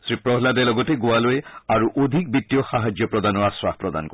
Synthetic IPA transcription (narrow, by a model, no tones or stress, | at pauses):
sɾipɾɔɦlad̪alɔɡɔteɡoaloeaɾuʔod̪ʱik̚bit̪ːijɔxaɦad͡ʒjɔpɾɔd̪anɔaswahpɾɔd̪a̰nɔkɔ